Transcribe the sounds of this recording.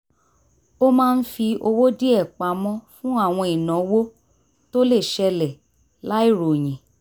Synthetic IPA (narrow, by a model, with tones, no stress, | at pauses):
o˦mãː˦˧n̩˦fi˧o˧wo˦di˦ɛ˦˨k͡pa˨˦mɔ̃˦fũ˦a˦˨w̃ɔ̃˧i˨nã˨˦wo˦ | to˦le˦˨ʃɛ˧lɛ˨ | la˦i˦˨ɾo˨j̃ĩ˨